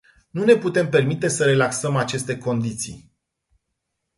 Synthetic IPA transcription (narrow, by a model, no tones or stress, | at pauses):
nune̞put̪e̞mpe̞rmit̪e̞səɾe̞laksəmat͡ʃe̞st̪e̞ko̞nd̪it̪sḭj